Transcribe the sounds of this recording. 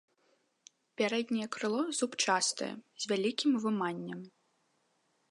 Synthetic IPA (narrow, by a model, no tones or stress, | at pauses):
pʲaɾɛd̪ʲnʲɛjɛkɾɨlˠɔzupt͡ʂast̪ɨ̰jɛ̰zʲvʲalʲikʲimvɨmanʲːɐm